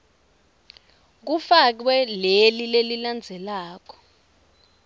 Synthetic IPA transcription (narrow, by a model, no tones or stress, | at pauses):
k̬ufak̬wɛlelileliland͡zʱɛlaːk̬ɔ̥